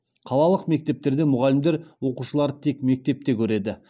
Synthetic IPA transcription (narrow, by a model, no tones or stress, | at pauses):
qʰɑlˠɑlˠəqme̞k̚t̪e̞p̚t̪e̞ɾd̪e̞mʊʁɑlɪmd̪eɾwo̞quʃəlˠɑɾət̪ʰe̞kme̞k̚t̪e̞p̚t̪e̞kʲʰɵɾe̞d̪ɪ